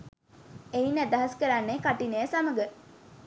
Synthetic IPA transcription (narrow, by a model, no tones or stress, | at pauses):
einæd̪ɐɦɐskəɾanːekaʈinejəsaməɡə